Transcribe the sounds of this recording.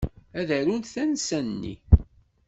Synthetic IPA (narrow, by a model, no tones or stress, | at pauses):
æðəɾunt̪θænsænːḭ